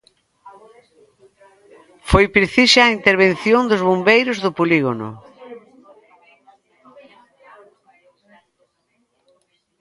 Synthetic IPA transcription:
fojpɾeθiʃaːint̪eɾβẽnθjond̪ʊzβombejɾʊzðʊpoliɣonʊ̰

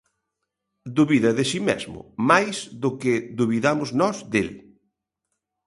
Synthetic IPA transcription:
d̪uβiðɐðesimḛzmʊ̰majsðʊkɪðuβiðamʊznɔzd̪el

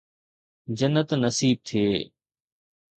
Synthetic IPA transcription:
d͡ʑənːət̪nəsiːb̚t̪ʰeː

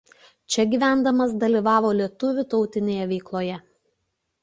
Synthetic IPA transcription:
t͡ʃʲɛɡʲiːʋʲæˑnd̪ɐmɐsd̪ɐlʲiʋɑːʋoːlʲiɛt̪ʊʋʲʊt̪ɒʊt̪ʲɪnʲeːjɛʋʲɛɪklˠoːjɛ

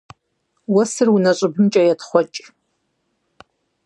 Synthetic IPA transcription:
wɐsɨrunaɕʷʼɪbɨmt͡ʃʼɐjatχʷɔt͡ʃʼ

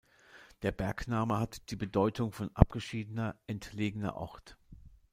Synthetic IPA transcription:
d̥eːɐbɛɐknaːməhatd̥iːbədɔʏtʰʊŋfɔnʔa̰p̚ɡ̥əʃiːdənɐʔɛntleːɡənɐ̰ʔɔ̰ʁt

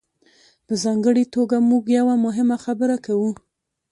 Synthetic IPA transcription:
pəzɑŋɡəɽit̪oɡamuɡjawamʊɦɪmaxabəɾakawu

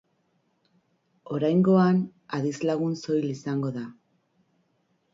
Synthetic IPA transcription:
o̞ɾajŋɡo̞an | aðizlaɣunso̞jlisaŋɡo̞ða

